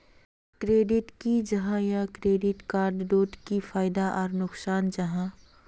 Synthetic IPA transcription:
kɾeːɖɪʈkid͡ʒɐɦãjãkɾeːɖɪʈkaːɾɖːoːʈkifʰaːɪd̪aʔɔːɾnʊksaːnd͡ʒɐɦã

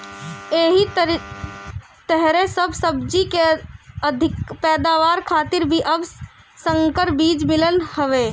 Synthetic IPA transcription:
eːɦiɾ | t̪əɦɾesəbʱsəbd͡ʒikeəd̪ʱɪkpɛːd̪aʋaːɾkʰaːt̪ɪɾbʱiʔəb | səŋkəɾbiːd͡ʒmɪlənhəʋe

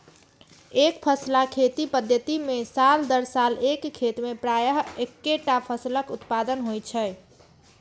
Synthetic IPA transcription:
ekpʰəslakʰet̪ipəd̪ʱjət̪imesald̪əɾsalekʰːet̪mepɾajəɦekːeʈapʰəsləkut̪pad̪ənɦojt͡ʃʰə

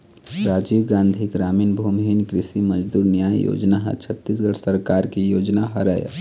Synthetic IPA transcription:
ɾaːd͡ʒiʋɡãːnd̪ʱiɡɾaːmiːnbʱuːmɦinkɾɪsiməd͡ʒd̪uːɾnijaːjo̰d͡ʒnaɦə̰t͡ʃʰət̪ːisɡəɽsəɾkaːɾkijoːd͡ʒnaɦəɾəj̰

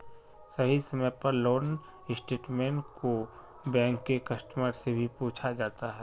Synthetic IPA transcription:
sɐɦisɐməjpɐɾloːn | ɪsʈeːʈmẽːɳʈkʰo | bɛ̃ːŋkːekɐsʈməɾsebʱipuːt͡ʃʰad͡ʒaːt̪aɦɛː

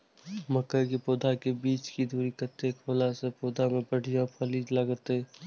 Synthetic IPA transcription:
məkːəkepoːd̪ʱakebiːt͡ʃkid̪ʱuːɾikət̪ːekʰoːlasepoːd̪ʱamẽbəɽ̤ijapʰəliːd͡ʒləɡət̪ɦeː

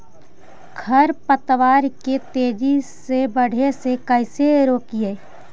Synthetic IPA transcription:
ɡʰʱəɾpət̪ʋaːɾket̪eːd͡ʒisebəɽ̤esekəɪseɾoːkieː

